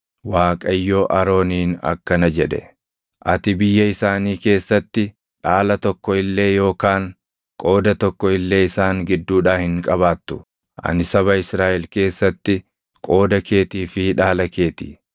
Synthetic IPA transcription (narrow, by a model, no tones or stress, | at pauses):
waːkʼɐjːoːʔɐɾo̞ːniːnɐ̰kːɐnɐd͡ʒɛᶑɛ | ʔɐt̪ɪbɪjːɐɪsaːniːke̞ːsːɐt̪ːɪ | ᶑaːlɐt̪ɔkːɔɪlːe̞ːjo̞ːkaːŋ | kʼo̞ːd̪ɐt̪ɔkːɔɪlːe̞ːɪsaːŋɡɪd̪ːuːᶑaːhɪŋkʼɐβaːt̪ːʊ̥ | ʔɐ̰nɪsɐβɐɪsɾaːʔɛlke̞ːsːɐt̪ːɪ | kʼo̞ːd̪ɐke̞ːt̪iːfɪᶑaːlɐke̞ːt̪i̥̰ː